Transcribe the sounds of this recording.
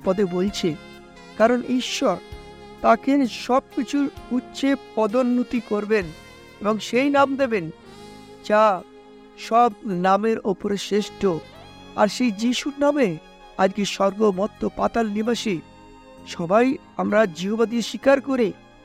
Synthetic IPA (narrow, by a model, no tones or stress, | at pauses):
pɔd̪ebolt͡ɕʰe | kaɾoniʃːɔɾ | t̪akʰenʃɔb̚kit͡ɕʰuɾutːɕʰepɔd̪onːut̪ikoɾben | eboŋʃejnamd̪eben | d͡ʑa | ʃɔb̚nameɾopoɾeʃɾeʃʈʰo | a̰ɾʃejd͡ʑiʃuɾname | ad͡ʑɡeʃɔɾɡomɔt̪ːopat̪alnibaʃi | ʃɔbaj | amɾad͡ʑiɦobad̪ieʃikaɾkoɾi